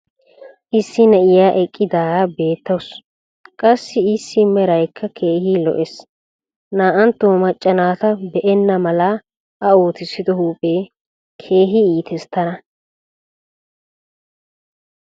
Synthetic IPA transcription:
ʔɪsːɪnɛʔɪjaːʔɛkʼːɪd̪aːbe̞ːt̪ːɐws | kʼɐsːɪɪsːɪmɛɾɐjkʰːɐkʰeːhiːlɔ̰ʔɛs | naːʔɐnt̪ːoːmɐt͡ʃʼːɐnaːt̪ɐbɛʔɛnːɐmɐla | ʔɐoːt̪ɪsːɪd̪ɔhuːpʼe̞ː | kʰe̞ːɦɪiːt̪ʰɛst̪ːɐnɐ

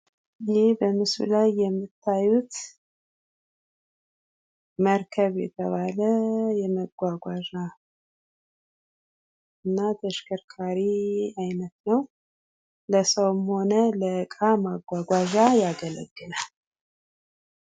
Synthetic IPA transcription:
ɪhebəmɨsṵlajːɛmːɨt̪ʰːajut̪ | məɾkʰəβjɛ̰t̪ʰəβaləjɛməɡʷaɡʷaʒa | ɨnːat̪ʰəʃkʰəɾkʰaɾiajnət̪nəw | ləsəwmho̞nələkʼamaɡʷaɡʷaʒajaɡələ̰ɡːɨlal

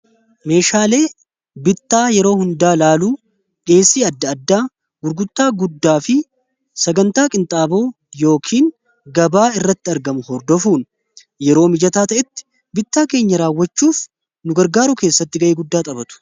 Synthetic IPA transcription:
me̞ːʃaːle̞ː | bɪt̪ːaːjɛɾo̞ːhʊnd̪aːlaːluː | ᶑe̞ːsːiːɐd̪ːɐːd̪ːaː | ɡʊɾɡʊt̪ːaːɡʊd̪ːaːfɪ | sɐɡɐnt̪aːkʼɪnt̪ʼaːbo̞ː | jo̞ːkʰiːŋ | ɡɐbaːɪrːɐt̪ːɪɐɾɡɐmʊhɔɾd̪ɔfuːn | jɛɾo̞ːmɪd͡ʒɐt̪aːt̪ɐʔɛt̪ːɪ̥ | bɪt̪ːaːke̞ːɲːɐɾaːwːɐt͡ʃːuːf | nʊɡɐɾɡaːɾʊke̞ːsːɐt̪ːɪɡɐʔeːɡʊd̪ːaːt̪ʼɐbɐt̪ʊ̥

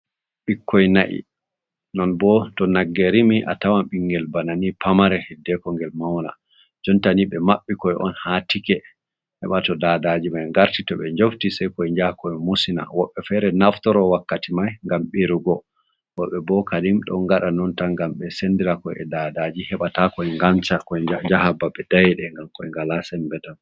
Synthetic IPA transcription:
ɓikːɔjnaʔḭ | nɔnbɔtɔnaɡːeɾimiʔa̰tawamɓiŋɡɛlbananipʰamaɾɛhidːɛkɔŋɡɛlmawna̰ | d͡ʒɔntaniɓɛmaɓːikɔjʔɔ̰nhatikɛ | hɛ̰ɓatɔdadad͡ʒimajŋɡaɾtitɔɓɛɲd͡ʒoftisajkɔɛɲd͡ʒahkɔmusina̰wɔɓːɛfɛɾɛnaftɔɾɔwakːatimajŋɡamɓiɾuɡɔ | wɔɓɛbɔkadimɗɔ̰ŋɡaɗanɔntaŋɡamɓɛsendiɾakɔɛ̰dadad͡ʒihɛɓatakɔɛŋɡant͡ʃakɔɛd͡ʒad͡ʒahabaɓɛd̥ajɛɗɛŋɡamkɔɛŋɡalasɛnbɛtan

